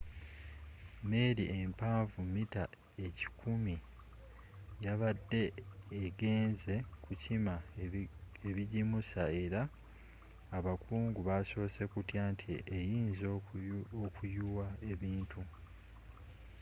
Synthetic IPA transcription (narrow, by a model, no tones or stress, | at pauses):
me̞ɾiʔempaːɱvumita | e̞ci̥kʰumi | jaβadːe̞ːɡe̞ːnze̞kʰucima | eβiɟimusae̞ɾaː | βakʰuːŋɡuβaso̞ːse̞kutjantʰiejiːnzookʰujuwae̞βiːntʰu